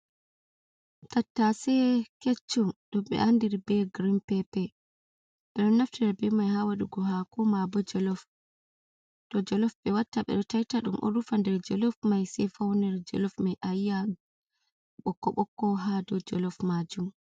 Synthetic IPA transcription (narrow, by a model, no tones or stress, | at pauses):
tatːasɛket͡ʃːumɗɔmɓɛ̰andiɾbɛɡɾimpɛpɛ | ɓɛɗɔnːaftɛɾbɛmajhaːwaɗuɡɔɦakɔmabɔd͡ʒɔlɔf | d̥ɔd͡ʒɔlɔfɓɛwatːaɓɛ̰ɗɔtajtaɗṵmʔɔ̰ɾufandɛɾd͡ʒɔlɔfmajsɛfawnɛɾd͡ʒɔ̰lɔfmajʔajːa | ɓɔkːɔɓɔkːɔɦadɔd͡ʒɔ̰lɔfmad͡ʒum